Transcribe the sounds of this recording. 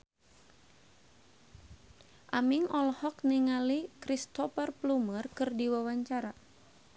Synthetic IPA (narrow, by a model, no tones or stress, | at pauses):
ʔamiŋʔɔlhɔkniŋalikɾist̪ɔfərplumərkɨrdiwawaɲt͡ʃaɾa